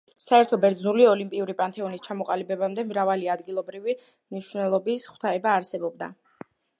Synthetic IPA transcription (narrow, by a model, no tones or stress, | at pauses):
saɛɾt̪ʰɔbɛɾd̪znuliɔlimpʼiuɾipʼant̪ʰɛɔnist͡ʃʰamɔqʼalibɛbamd̪ɛmɾavaliad̪ɡilˠɔbɾivi | mniʃvnɛlˠɔbisχwt̪ʰaɛbaːɾsɛbɔb̚d̪a̰